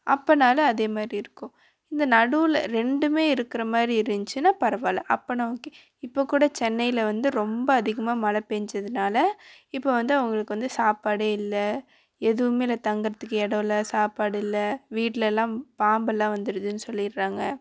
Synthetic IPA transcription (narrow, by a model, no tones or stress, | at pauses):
ʔɐpːɐnaːlɐːðeːmaːd̪ɾiɪɾɯkːʊ̃ | ɪnd̪ɐnɐɽɯl̰ɾɛɳɖɯmeːɪɾɯkːɪɾɐmaːd̪ɾiɪɾɯɲt͡ʃːɯnãːpɐɾɐʋaːlɐ̰ʔɐpːɐnɐoːkːeː | ɪpːoːkːuːɽɐt͡ʃɛnːɐjɪlɐʋɐnd̪ɯɾɔmbɐːɐðɪɣɐmaːmɐlɐpːeːɲd͡ʒɐðɯnaːlɐɪpːoːʋɐnd̪ɯɐʋʊŋɡɐɭɯkːɯʋɐnd̪ɯsaːpaːɽeːɪlːɐ | ɛðɯʋɯmeːɪlːɐt̪ɐŋɡɯɾɐt̪ːɯkːɯɛɽɐ̃ʋɪlːɐsaːpaːɽɪlːɐʋiːʈːɪlɛɛlːãːpaːmbɛlːãːʋɐnd̪ɯɾɯðɯnːɯsɔlːɪɾːaːŋɡɐ